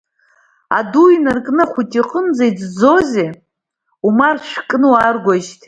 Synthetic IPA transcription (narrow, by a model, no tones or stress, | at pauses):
a̰duinarkʼnɨχʷutʼiqʼənd͡zajd͡zd͡zoze | umarʂʷkʼnɨwarɡʷaʒtʰ